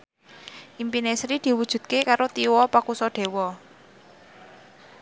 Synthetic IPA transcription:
ʔimpinesɾid̪̥i̤wud̥ʒ̥ṳd̪̚kekaɾot̪iwɔpakusɔɖ̥e̤wɔ

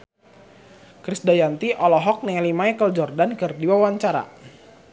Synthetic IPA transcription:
kɾisdajant̪iʔɔlɔɦɔk̚nɛlimaɛkəld͡ʒɔrdankɨrdiwawaɲt͡ʃaɾa̰

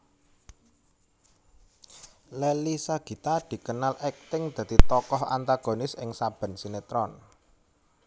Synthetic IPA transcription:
lelisaɡ̥i̤t̪ad̪̥i̤kənalʔɛk̚t̪ɪŋd̪̥ä̤d̪̥it̪ɔkɔha̰nt̪aɡ̥o̤nɪsɪŋsab̥ə̤nsinet̪ɾɔn

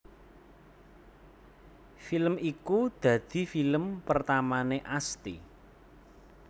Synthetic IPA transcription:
filəmikud̪̥ä̤d̪̥i̤filəmpərt̪amaneʔast̪ḭ

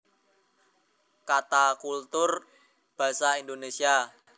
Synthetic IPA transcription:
kat̪akult̪ʊr | b̥a̤saindonesia

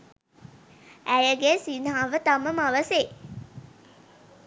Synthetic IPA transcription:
æjəɡesinɦaːʋət̪aməmaʋəse

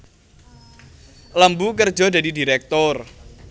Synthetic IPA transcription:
lambukərd̥d͡ʒɔdadidiɾɛk̚t̪ʊr

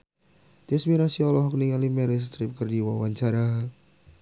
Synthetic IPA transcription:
d̪̥ɛsmiɾasiɔlɔɦɔk̚niŋalimɛɾɛs̬t̪ɾɪp̚kərdiwawaɲt͡ʃaɾa

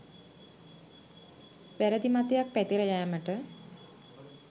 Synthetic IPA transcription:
ʋæɾəd̪imat̪ejak̚pæt̪iɾəjæːməʈə

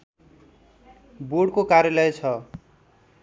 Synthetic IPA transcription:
boɽkokaɾjʌlʌjt͡sʰʌ

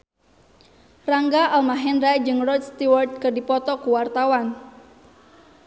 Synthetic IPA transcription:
raŋɡaʔalmaɦɛnrajd͡ʒɨŋrɔt̪st̪iwart̪̚kɨrdipɔt̪ɔkuwart̪awan

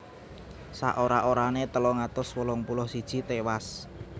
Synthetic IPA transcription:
sa̰ʔoɾaʔoɾanet̪əlɔŋat̪ʊswəlɔŋpulɔhsid̥ʒ̥i̤t̪ewas

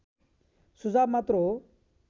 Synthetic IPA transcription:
sud͡zaːbmat̪ɾo

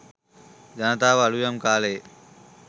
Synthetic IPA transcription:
d͡ʒant̪aːʋalujəmkaːleː

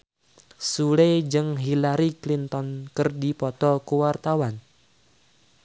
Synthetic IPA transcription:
suled͡ʒɨŋɦilaɾiklint̪ɔnkərdipɔt̪ɔkuwart̪awan

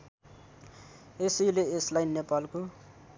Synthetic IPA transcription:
esileeslajnepalko

